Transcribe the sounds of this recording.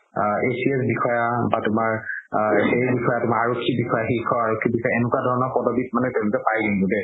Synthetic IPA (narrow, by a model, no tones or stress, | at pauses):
esiesbixɔjabatʊmaɹ | xejbixɔjatʊmaɹaɹokʰːibixɔjaxikʰːɔaɹokʰːibixɔjaɛnʊkwadʱɔɹɔnɔɹpɔdobit̚manɛtolukɛpajɡinɡodɛ